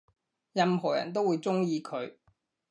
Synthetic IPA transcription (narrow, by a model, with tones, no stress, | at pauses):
jɐ˧mɦɔː˨˩jɐ̰˨˩nt̪̬o˥wuː˨˧jt͡sʊ˥ŋjiː˧kʰɵ˨˧ɥ